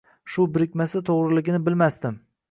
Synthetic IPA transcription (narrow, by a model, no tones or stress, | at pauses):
ʃʊbɪɾɪkʲmasɪt̪ʰoʁɾɪlɪɡʲɪnɪbɪlmast̪ɪm